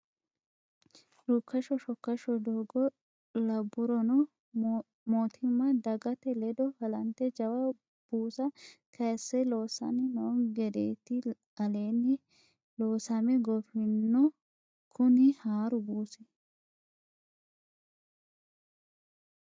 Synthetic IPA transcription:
ɾukːɐʃɔʃɔkːɐʃɔd̪oːɡɔ | lɐbːʊɾɔnɔ | moːt̪ʰɪmːɐd̪ɐɡɐt̪ɛlɛd̪ɔhɐlɐnt̪ɛd͡ʒɐwɐ | b̥uːsɐkʰɐjsːɛloːsɐ̰nɪnoːɡɛd̪ḛːt̪ɪ | ɐleːnːɪ | loːsɐmɛɡɔfɪnːɔ | kʰʊnɪhaːɾʊbuːsɛ

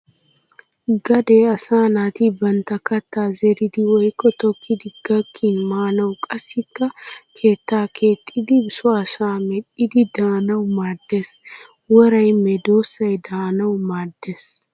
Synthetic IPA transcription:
ɡɐd̪e̞ːɐsaːnaːt̪ibɐnt̪ɐkɐt̪ːaːzɛɾɪd̪ɪwɔjkːɔt̪ɔkʰːɪd̪ɪɡ̥ɐkʰːinmaːnɐwkʼɐsɪkːɐkʰe̞ːt̪ːaːkʰe̞ːt̪ʼːɪd̪ɪbɪsʊasaːmɛᶑɪd̪ɪd̪aːnɐwmaːd̪ːes | wɔɾɐjmɛd̪oːsːɐjd̪aːnɐwmaːd̪ːeːs

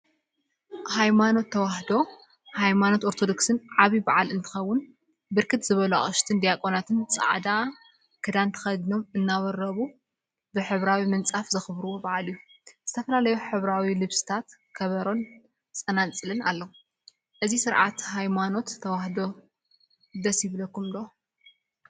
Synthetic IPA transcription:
hajmano̞t̪ʰːɐwahd̪o̞ | hajmano̞t̪ʔo̞ɾt̪ʰod̪oksɨnʕaβibaʕalɨnt̪ʰɨ̥xɐwːʊn | bɨɾkʰɨt̪z̥ɨβɐlua̰χʼɨʃt̪ʰɨnd̪ijakʼonat̪ʰɨnt͡sʼa̰ʕd̪a | kʰɨd̪ant̪ʰɐ̥xɐd̪no̞mɨnːawɐɾɐβu | bɨħɨβɾawimɨnt͡sʼafzɐxɨβɾuwobaʕalɨijːuz̥ɨt̪ʰɐfɐlalɐjuħɨβɾawilɨβsɨ̥t̪ʰat̪ | kʰɐβɐɾo̞n | t͡sʼɐnat͡sʼɨlɨnalːɐwu | ʔɨzisɨɾʕa̰t̪hajmano̞t̪ʰːɐwahd̪o̞ | d̪ɐsjɪβɨlɐkːumd̪o

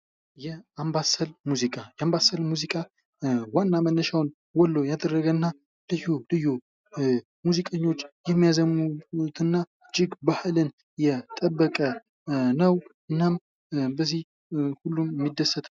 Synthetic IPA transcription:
jɛambasəlmuzikʼajɛambasəlmuzikʼa | wanːamənːəʃawn | wɔlːojad̪ərːəɡənːa | lɨjːulɨjːu | muzikʼəɲːo̞t͡ʃːjɛmːijazəmut̪ʰɨnːa | d͡ʒɪɡbahlɨn | jɛt̪ʼəbːəkʼə | nəw | ɨnːam | bəzih | hulːumjmːid̪ːəsːət̪ʰʼ

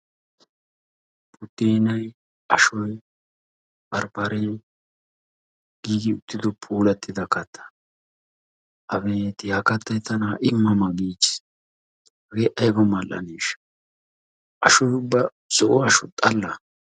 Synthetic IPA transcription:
pʼʊt̪ːeːnɐj | ɐʃɔj | bɐɾpɐɾeː | ɡ̥iːɡɪʊt̪ːɪd̪ɔpʰuːlɐt̪ːɪd̪ɐkɐt̪ʰːɐ̥ | ʔɐbeːt̪ɪjaːkɐt̪ːɐjt̪ɐnaːʔɪmːɐmɐɡiːt͡ʃːɪ̥s | ɐɡeʔɐjbɐmɐlʔɐ̰niːʃ | ʔɐʃɔjʊbːɐ | sɔʔɔɐʃɔt̪ʼɐlːɐ

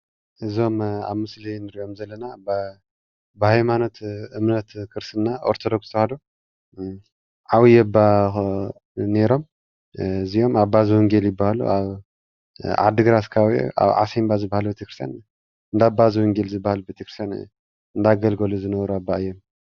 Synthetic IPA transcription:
ʔɨzo̞ma̰βmɨslinɨɾiʔo̞mzɐlːɐnab | bɨhajmanot̪ɨmnɐt̪kʰɨɾsɨnːaʔoɾt̪ʰod̪okst̪ʰɐwhad̪u | ʕawijɛbːa | ne̞ɾo̞m | ɨzijo̞maβbazɨwɔŋɡeljɪbːahalṵʔaβ | ʕa̰d̪ɨɡɾaskʰawʔṵʔa̰βʕa̰sembazɨbːahalubet̪ʰekɾɨst̪ʰjan | ɨnd̪abazɨwɔŋɡelzɨbːahalubet̪ʰekɾɨst̪jan | ɨnd̪aɡɐlɡɐluzɨnɐβɾuabːaɨjːo̞m

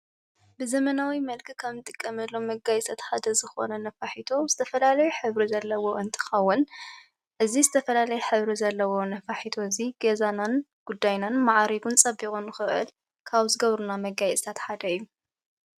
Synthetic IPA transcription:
bɨzɐmɐnawimɐlkʰikʰaβnɨt̪ʼɨkʼːɐmɐlːo̞mɐɡajsɐt̪ħad̪ɐzɨxo̞̰nɐnɐfaħit̪ʰoz̥ɨt̪ʰɐfɐlalɐjuħɨβɾizɐlːɐwo̞ʔɨnt̪ʰɨ̥xɐwːɨn | ʔɨzizɨt̪ʰɐfɐlalɐjɛħɨβɾizɐlːɐwo̞nɐfaħit̪ʰoɨziɡ̥ezananɡ̥ud̪ːajnanmaʕɾiɡunt͡sʼɐbikʼunɨxɨʔɨ̰l | kʰaβzɨɡɐβɾunamɐɡajt͡sʼt̪ʰat̪ħad̪ɐjːu

